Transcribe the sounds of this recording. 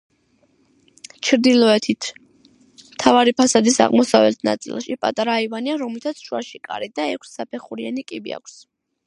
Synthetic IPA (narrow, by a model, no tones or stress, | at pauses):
t͡ʃʰɾd̪ilˠɔɛt̪ʰit̪ʰ | mt̪ʰavaɾipʰasad̪isa̰ʁmɔsavɛ̰lt̪ʰna̰t̪sʼḭlˠʃipʼat̪ʼaɾaivaniaɾɔmlit̪ʰat̪sʰʃuaʃikʼa̰ɾid̪aɛkʰsːapʰɛχuɾianikʼibḭa̰kʰʷs